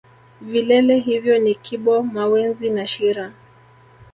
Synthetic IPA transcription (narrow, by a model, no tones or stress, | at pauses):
vilɛlɛɦivjɔnikʰiɓɔmawɛnzinaʃiɾa